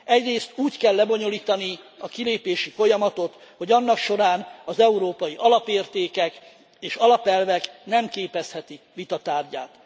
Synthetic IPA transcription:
ɛɟreːst̪uːckɛlːɛbo̞ɲo̞liːt̪ɒniɒkileːpeːʃifo̞jɒmɒt̪o̞t̪ | ho̞ɟɒnːɒkʃo̞ɾaːnɒzɛuɾoːpɒjiʔɒlɒpeːrt̪eːkɛk | eːʃɒlɒpɛlvɛknɛmkeːpɛshɛt̪i | vit̪ɒt̪aːrɟa̰ːt̪

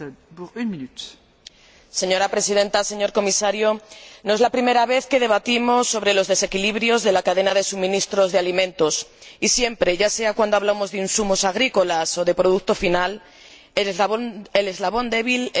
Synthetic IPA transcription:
puynmĩnyt̪ | se̞ɲo̞ɾapɾe̞siðe̞nt̪aseɲo̞ɾko̞misaɾjonoe̞zlapɾime̞ɾaβe̞θke̞ðe̞β̞at̪imo̞sːo̞βɾe̞lozðe̞se̞kiliβɾjo̞zðe̞lakaðe̞nað̞e̞sumĩnist̪ɾo̞zðealimẽ̞nt̪o̞sisje̞mpɾe̞ʝase̞akwand̪oaβlamo̞zðeinsumo̞saɣ̞ɾiko̞laso̞ðe̞pɾo̞ð̞uk̚t̪o̞final | ele̞zlaβ̞o̞nd̪e̞β̞il

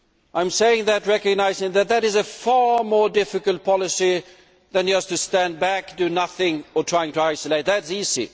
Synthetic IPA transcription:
ʔãɪ̃mseɪɪ̃ŋðɨt̚ɹɛkɨɡ̚naɪzɪ̃ŋðɨt̪̚ðɨɾɨzɨfɑɹmɔɹdɪfɨkəl̩ˠt̚pʰɑlˠəsi | ðɨ̃nʌz̥tʰɨstæ̃nbækdɨnʌθɪ̃ŋə˞tʰɹ̥aɪɪ̃ŋtəaɪsəleɪt̪̚ðætsizḭ

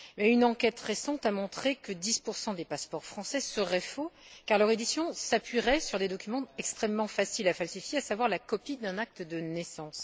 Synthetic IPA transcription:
mɛynɑ̃kʲɛt̪ʁesɑ̃t̪amɔ̃t̪χekəd̪ispuʁsɑ̃d̪epaspɔʁfχɑ̃sɛsəʁɛfokaʁlœʁed̪isjɔ̃sapɥiʁɛsyʁd̪ed̪ɔkʲymɑ̃ɛkst̪χɛmːɑ̃fasilafalsifjeasavwaʁlakɔpid̪ɛ̃nak̚t̪əd̪ənɛsɑ̃s

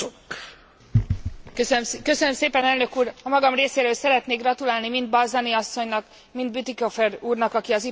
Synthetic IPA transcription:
ok | kø̞sønømseːpɛnɛlnøkuːɾɒmɒɡɒmreːseːɾøːlsɛɾɛt̪neːɡrɒt̪ulaːlnimind̪̚bɒzɒniɒsːo̞ɲnɒk | mind̪bit̪ikofɛruːrnɒkɒkiɒzi

